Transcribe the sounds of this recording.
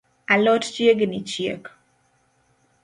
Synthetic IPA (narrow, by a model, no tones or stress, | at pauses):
alɔtt͡ʃjeɡnit͡ʃjḛk